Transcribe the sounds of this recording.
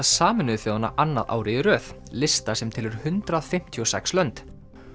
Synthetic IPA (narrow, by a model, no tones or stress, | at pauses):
aðsaːmɪnʏθjoːðana̰ʔanːa̰ðʔa̰ːwɾɪiɾœːθ | lɪst̪asɛmt̪ʰɪlʏɾ̥hʏnt̪ɾaðfɪm̥t̪ʰiɔsɛkslœnt̪